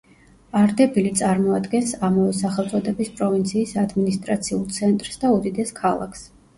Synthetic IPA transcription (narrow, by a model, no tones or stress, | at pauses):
aɾd̪ɛbilit̪sʼaɾmɔad̪ɡɛnsamavɛsaχɛlˠt̪sʼɔd̪ɛbispʼɾɔvint̪sʰiːsad̪minist̪ʼɾat̪sʰiulˠt̪sʰɛnt̪ʼɾsd̪aud̪id̪ɛskʰalˠa̰kʰs